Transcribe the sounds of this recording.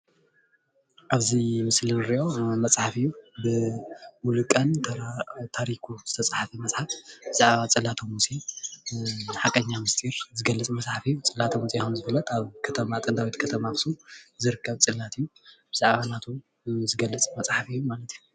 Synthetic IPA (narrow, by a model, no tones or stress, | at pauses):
ʔaβzimɨslɨnɾiʔo̞mɐt͡sʼħafijːubɨwulɨkʼɐntt̪ʰaɾikʰuz̥ɨt̪ʰɐt͡sʼħafɐmɐt͡sʼħafbɨz̥aʕβat͡sʼɨlat̪ʰɐmusi | ħakʼɐɲːamɨst̪ʰʼiɾzɨɡɐlːɨt͡sʼmɐt͡sʼħafijːut͡sʼɨlat̪ʰɐmusijaunzɨfɨlːɐt̪aβkʰɐt̪ʰɐmat̪ʼɨnd̪awit̪kʰɐt̪ʰɐmakɨ̥suzɨɾɨkʰːɐβt͡sʼɨlːat̪ijːub̥ɨzaʕβanat̪ʰu | zɨɡɐlːɨt͡sʼmɐt͡sʼħafijːumalɐt̪iju